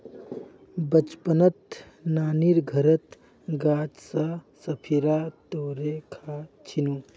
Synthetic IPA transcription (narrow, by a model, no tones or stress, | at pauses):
bɐt͡ʃpənət̪naːniɾɡʱɐɾət̪ | ɡaːt͡ʃsasɐpʰiɾaːt̪oːɾekʰaːt͡ʃʰinuː